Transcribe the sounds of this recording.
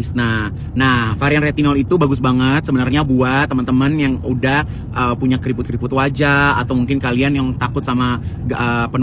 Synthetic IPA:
sna | nahfaɾianret̪inɔlit̪ubaɡʊsbaŋət̪̚səbənarɲabuat̪ːəmənt̪əmənjaŋudah | ʔəːpuɲakəɾipʊt̪̚kəɾipʊt̪wad͡ʒaa̰t̪awmuŋkɪnkalianjaŋt̪akʊt̪̚samaəːpən

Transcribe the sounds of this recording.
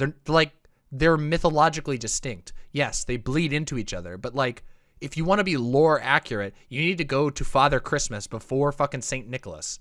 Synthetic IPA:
ðə˞laɪk̚ | ðə˞mɨθəlɑd͡ʒɨklidɨstɪ̃ŋk̚tjɛsðeɪbliɾɪ̃ntʉit͡ʃʌ̰ðə̰˞bʌtˡlaɪk | ɨfjɨwɑ̃ñɨbilɔɹækʰjə˞ɨt̚jɨnid̚tɨɡoʊɾɨfɑðə˞kʰɹ̥ɪsmɨsb̥əfɔɹfʌkɨ̃nsẽɪ̃nːɪkl̩ˠə̰s

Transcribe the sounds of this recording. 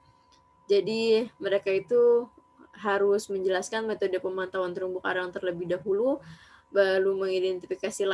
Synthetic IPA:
d͡ʒadiməɾekait̪u | ɦaɾʊsməɲd͡ʒəlaskanmet̪odəpəmant̪awant̪əɾumbʊka̰ɾaŋt̪ərləbɪhdaɦulu | baɾuməŋidɛnt̪ifikasila

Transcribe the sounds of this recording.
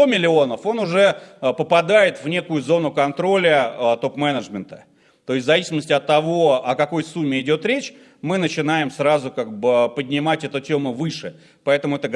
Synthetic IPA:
omʲɪlʲɪo̞nəfo̞nʊʐɛpəpɐd̪ajɪt̪vnʲe̞kʊjʊzo̞nʊkɐnt̪ɾo̞lʲət̪o̞pmɛnəʐmʲɪnt̪ə̥ | t̪o̞ɪsʲt̪ʲzɐvʲisʲɪməsʲtʲɪɐt̪ːɐvo̞ɐkɐko̞jsumʲːɪɪdʲo̞t̪ɾʲet͡ɕ | mɨnət͡ɕɪnajɪmsɾazʊkaɡ̚bɨpədʲnʲɪmatʲɛt̪ʊtʲemʊvɨʂɨ | pɐɛt̪əmʊɛt̪ə

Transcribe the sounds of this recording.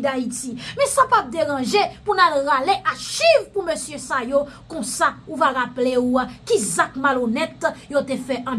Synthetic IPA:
d̪aitimɛ̃sapat̚d̪eʁɑ̃ʒepunalɣaleʔaʃivpumøsjøsajokɔ̃sauvaʁapleuakizakmalonɛt̪jot̪efɛʔɐ̃

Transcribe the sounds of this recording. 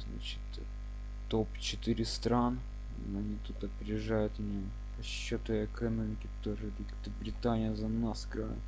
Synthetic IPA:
zna̰t͡ɕɪ̥t̪ | t̪opt͡ɕɪt̪ɨɾʲɪst̪ɾan | nɐnʲit̪ut̪ɐpʲɾʲɪjɪʐajʊt̪ɐnʲi | pɐɕːot̪ʊəkɐnomʲɪkʲɪt̪oʐɨlʲɪkʲt̪ɨbɾʲɪt̪anʲɪjəzɐnasɡɾa̰

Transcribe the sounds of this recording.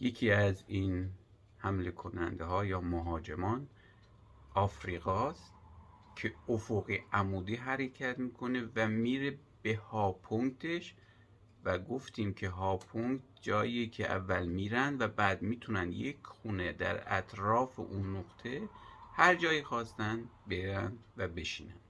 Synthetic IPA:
je̞cʰiːæzin | hæmle̞kʰonæ̰nd̪eɦɒːjɒːmoɦɒːd͡ʒemɒːn | ʔɒːfɾiːɣɒːst̪ | cʰe̞ofoɣiæmuːd̪iːɦæɾecʰæt̪miːkʰo̞ne̞væmiːɾe | b̥ehɒːpʰoŋkt̪ʰe̞ʃ | væɡoft̪ʰiːmcʰe̞ɦɒːpʰoŋkt̪̚d͡ʒɒːjicʰeʔæ̰vːælmiːɾænd̪væbæːd̪miːt̪ʰunænd̪jekʰxuːned̪æ̰ɾæ̰t̪ʰɾɒːfḛʔunːoɡt̪ʰe̞hæɾd͡ʒɒːjiːxɒːst̪ænd̪be̞ɾænd̪væbe̞ʃiːnænd̪̥

